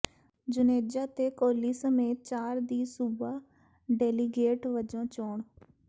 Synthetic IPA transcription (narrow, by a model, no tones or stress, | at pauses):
d͡ʒʊneːd͡ʒaːt̪eːkoːliːsəmeːt̪̚t͡ʃaːɾd̪iːsubaː | ɖɛːliːɡeːʈʋəd͡ʒõːt͡ʃoːɳ